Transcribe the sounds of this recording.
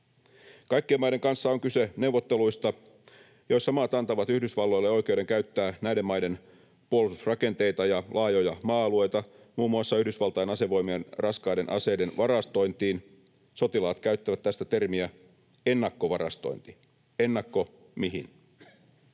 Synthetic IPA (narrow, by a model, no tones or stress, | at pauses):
kɑjkːiemɑjde̞ŋkɑnsːɑoŋkysene̞uwʋːot̪ːe̞luist̪ɑ | jo̞issɑmɑt̪ɑnt̪ɑʋɑt̪yhdysʋɑlːo̞jlːeo̞jke̞wɾe̞ŋkæyt̪ːæːnæjde̞mːɑjde̞n | puolususrɑke̞nt̪e̞jt̪ɑjɑlʔɑːjojɑmɑːɑlue̞jt̪ɑ | muːmːuɑsːɑyhdysʋɑlt̪ɑjɑnɑse̞ʋo̞jmienrɑskɑjde̞nʔɑ̰se̞jde̞nʋɑɾɑst̪o̞jnt̪iːn | so̞t̪ilɑːt̪kæyt̪ːæʋæt̪t̪ːæst̪æt̪e̞rmiæ | enːɑkːoʋɑrɑ̰st̪o̰int̪i | e̞nːɑkːo̞ | miɦin